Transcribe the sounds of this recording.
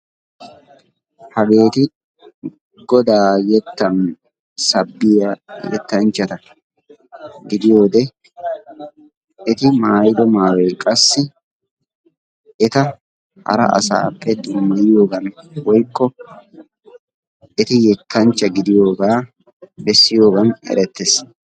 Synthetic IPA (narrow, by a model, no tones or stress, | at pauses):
hɐɡe̞ːt̪ɪ | ɡɔd̪aːjɛt̪ːɐn | sɐbːɪjɐjɛ̰t̪ːɐnt͡ʃːɐt̪ɐ | ɡɪd̪ɪjo̞ːd̪ɛ | ʔɪt̪ɪmaːjd̪ɔmaːwɛkʼɐsːɪ | ʔɪt̪ɐ | hɐ̰ɾɐ̰ʔɐ̰sa̰ːpːɛd̪ʊmːɐjjoːɡɐnwɔjkːɔ | ɪt̪ɪjɛkːɐnt͡ʃːɐɡɪd̪ɪjo̞ːɡaː | bɛsːɪjo̞ːɡɐnɛ̰ɾɛt̪ːes